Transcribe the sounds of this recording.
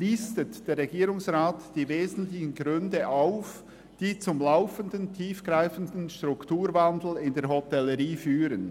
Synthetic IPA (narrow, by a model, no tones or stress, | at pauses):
liːstətd̥eːɾːɛɡiːɾʊŋsʁaːtd̥iːveːzn̩tlɪçən̩ɡɾʏndəʔaʊf | d̥iːt͡sʊmlaʊfəndəntʰiːfɡ̥ɾaɪfən̩dn̩ʃtr̥ʊktuːɾvandl̩ɪndeːɾɦotɛləʁiːfyːɾən